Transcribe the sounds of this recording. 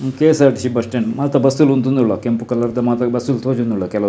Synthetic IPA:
keːsaːʈisibɐsʈenmaːt̪ɐbɐst̪uːlunt̪und̪uɭːɐkempukɐlːɐɾd̪ɐmaːt̪ɐbɐst̪uːlt̪ʰoːd͡ʒund̪uɭːɐkɛlɐ

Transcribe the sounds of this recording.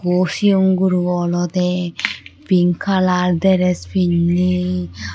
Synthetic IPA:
ɡosioŋɡuɾuɔlɔt̪ɛ | b̥iŋkʰalaɾd̪ɛɾɛspinːi

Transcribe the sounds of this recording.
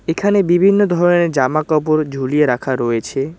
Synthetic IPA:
ekʰanebibʱinːod̪ʱɔɾened͡ʒamakapɔɾd͡ʒʱulijeɾakʰaɾɔet͡ʃʰe

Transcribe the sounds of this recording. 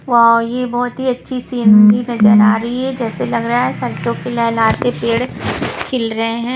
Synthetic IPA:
ʋajebɔːt̪ɦiɐtːʃʰiseːnd̪inɐzəɾaːɾɐɦiɦɛd͡ʒɛːselɐɡɾɐaɦɛsɐɾsõkelɛːlaːt̪epeːɽkʰɪlɾɐɦeɦɛ̃ː

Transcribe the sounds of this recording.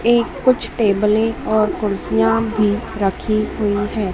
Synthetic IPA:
eːkːʊt͡ʃʰʈeːbəlẽɔːɾkʊɾsijãbʱiɾəkʰiɦʊiɦɛː

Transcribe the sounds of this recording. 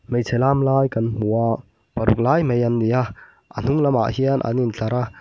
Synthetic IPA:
mejt͡sʰɛlaːmlaːjkanm̥uaʔ | pɐɾuk̚laːjmejɐndija | ʔan̥uŋlɐma̰ʔhianʔa̰nint͡ɬaɾa

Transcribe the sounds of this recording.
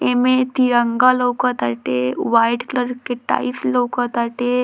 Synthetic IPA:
emet̪iɾɐŋɡalokɐt̪aʈeʋajɖkləɾkːeʈa̰jflokət̪aʈe

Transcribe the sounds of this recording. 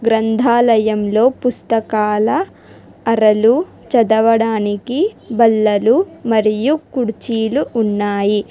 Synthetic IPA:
ɡɾɐnd̪ʱaːlɐjɐmlo̞ːpust̪ɐkaːlɐː | ɾɐlu | t͡ʃɐd̪ɐʋɐɽaːnikibɐlːɐlumɐɾijukuɽt͡ʃiːluʔunːaːji

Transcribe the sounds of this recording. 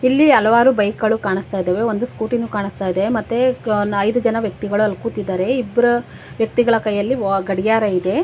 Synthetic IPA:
ilːiɐlɐʋaːɾubɐjkɐɭukaːɳist̪aːjd̪eːʋeond̪uskuːʈinːuːkaːɳist̪aːjd̪eemɐt̪ːenɐjd̪ud͡ʒɐnɐʋjɐk̚t̪iɡɐɭuɐlkut̪id̪ːaːɾe̞ibːɐɾu | ʋjɐk̚t̪iɡɐɭɐkɐjːɐlːiɡɐɽijaːɾɐid̪e̞

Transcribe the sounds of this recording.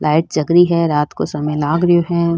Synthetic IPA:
lʔaːɪʈ̚d͡ʒɐɡɾiɦɛɾaːt̪kosɐmɛ̃laːɡɾjoɦɛ̃

